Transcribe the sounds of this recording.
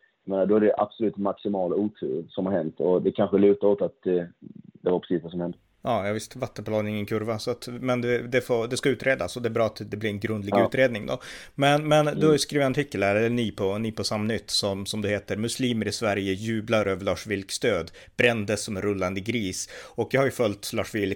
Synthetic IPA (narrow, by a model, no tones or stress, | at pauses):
jameːnad̪ɔæɖɛʔa̰b̥sɔlʉ̟ːt̪maksɪmɑːluːt̪ʰɾʉ̰ːɾsɔmhaɾhɛnt̪ʰɔd̪ɛkʰanɧəlʉ̟ːt̪aoːt̪at̪ | d̪ɛvaɾpʰɾɛ̥siːsvas̬ɔmhɛnd̪ə | jɑːjɑːvɪst̪vat̪ːənpʰlɑːɡnɪŋːənkʰɵɾvasɔat̪mɛnd̪ɛd̪ɛfod̪ɛskaʉːt̪ɾeːd̪a̰sɔd̪ɛːbɾɑːat̪d̪ɛblɪɾɛnɡɾɵnd̪lɪɡʉːt̪ɾeːd̪nɪŋd̪ɔ̰ | mɛnmɛnd̪ɵhaɾjɵskɾiːvɪt̪ant̪ʰɪkːəlæɾɛlːəniːpʰɔniːpɔsamːnʏt̪ːsɔmsɔmd̪ɵheːt̪əɾmɵsliːməɾɪsvæɾjəjʉ̟ːblaɾøːvəɭɑːʂvɪlkst̪øːd̪ | b̥ɾɛnd̪əsːɔmɛnɾɵlːand̪əɡɾiːsɔkjɑhaɾjɵfœlt̪lɑːʂvɪl